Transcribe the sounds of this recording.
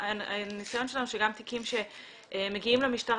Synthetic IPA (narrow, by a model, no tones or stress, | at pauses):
anisajo̞nʃelanuʃeɡamt̪ikimʃe̞ | ʔmeɡiimlemiʃtaʁ